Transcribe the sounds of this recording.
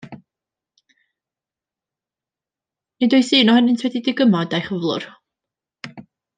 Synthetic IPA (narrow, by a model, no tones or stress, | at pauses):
nidʊɨθɨːnɔhɛnɪntʰwɛdidɪɡəmɔdajχəvlˠʊ̰r